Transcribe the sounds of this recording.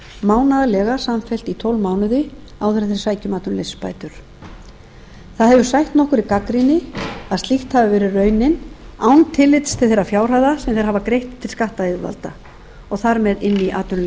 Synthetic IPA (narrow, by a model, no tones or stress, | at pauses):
maːwnaðalɛɣasamfɛl̥t̪it̪ʰowlmaːwnʏðɪ | awθɛɾaθeɾsaːjcʏmaːt̪ʏnlesspa̰ːjt̪ʏɾ̥ | θaðhɛvʏsajht̪nɔhkʏɾikakɾinɪaðst̪lixt̪havɪvɛɾɪrœːɥnɪnawnt̪ʰɪlɪt̪st̪ʰɪlθejɾafjaːwr̥aðasɛmθejɾhavakɾejht̪t̪ʰːɪlskaht̪aeðva̰lt̪a | ɔɣθaɾmɛðɪnːiʔaːt̪ʏn